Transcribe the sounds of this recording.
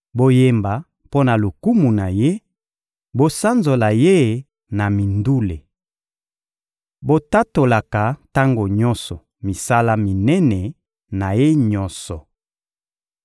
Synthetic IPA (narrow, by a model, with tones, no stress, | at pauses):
bo˨je˨mba˨ | po˦na˨lu˨ku˦mu˨na˨je˦ | bo˨sa˦nzo˨la˨je˦˨ | na˨mi˨ndu˦le˨ | bo˨ta˦to˨la˨ka˨ta˦ŋɡo˨ɲɔ˦nsɔ˨ | mi˨sa˦la˦mi˨nɛ˦nɛ˨ | na˨je˦ɲɔ˦nsɔ˨